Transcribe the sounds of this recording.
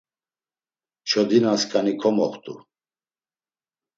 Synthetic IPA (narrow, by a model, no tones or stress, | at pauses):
t͡ʃʰɔd̪inaskʰanikʰɔmɔχt̪ʼu